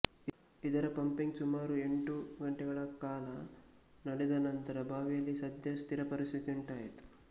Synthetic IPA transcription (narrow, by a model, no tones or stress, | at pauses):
id̪ɐɾɐpɐmpiŋɡsumaːɾue̞ɳʈuɡɐɳʈɛɡɐɭɐkaːlɐ | nɐɽɛd̪ɐnɐnt̪ɐɾɐbʱaːʋijɐlːisɐd̪jɐst̪ʰiɾɐpɐɾisit̪iɳʈaːjit̪u̥